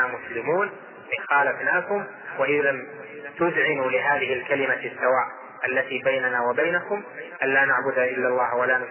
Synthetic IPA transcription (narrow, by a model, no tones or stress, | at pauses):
amʊslɪmuːn | ʔɪxaːlafnaːkʊm | wahɪjlam | t̪ʊzʕɪnuːlɪɦaːðɪhɪlkalɪmasːawaːʔ | ʔalːat̪iːbajnanawabajnakʊmʔanlaːnaʕbʊd̪aʔɪlːalˤːɑːhwalaːnʊ